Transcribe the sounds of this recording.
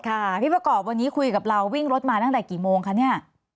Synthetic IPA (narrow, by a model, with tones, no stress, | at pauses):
kʰa˥˩t̪ʰiː˥˩p̚ɾa˧kɔː˨˩p̚wa˧nːiː˦˥kʰu˧jka˨˩p̚ɾa˧wːi˥˩ŋɾo˦˥t̪̚maː˧t̪a˥˩ŋt̪ɛ˨˩kiː˨˩moː˧ŋkʰa˦˥ni˥˩ɐ